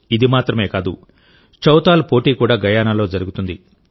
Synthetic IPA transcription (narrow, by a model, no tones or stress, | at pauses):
id̪imaːt̪ɾɐme̞ːkaːd̪u | t͡ʃɐwt̪aːlpo̞ːʈiːkuːɽaːɡɐjaːnaːlo̞ːd͡ʒɐɾuɡut̪und̪i